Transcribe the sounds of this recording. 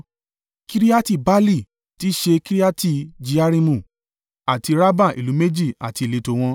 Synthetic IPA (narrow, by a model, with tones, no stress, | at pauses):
ki˦ɾi˦a˦ti˦˨ba˦li˦˨ | ti˨˦ʃe˧ki˦ɾi˦a˦ti˦˨d͡ʒi˧a˦ɾi˧mũ˨ | a˨ti˧ɾa˦ba˦˨ḭ˨lu˨˦me˦d͡ʒi˦˨a̰˨ti˧i˨le˨˦to˧w̃ɔ̃˧